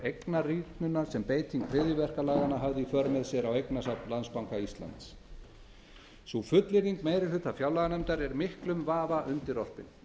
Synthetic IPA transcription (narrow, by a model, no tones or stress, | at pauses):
ejknariːk̪nʏnasɛmpeːjt̪ʰiŋk̚pʰɾɪːðjʏvɛr̥kalaːɣanːaɦavðɪifœɾmɛðsjɛɾawejknasapnlanspawŋkaist̪la̰nt̪s | sufʏt̪lɪɾiŋkmeːjɾɪlhʏt̪afjawlaɣanɛmt̪aɾɛɾmɪhklʏmvaːvaʔʏnt̪ɪɾɔr̥pɪ̰n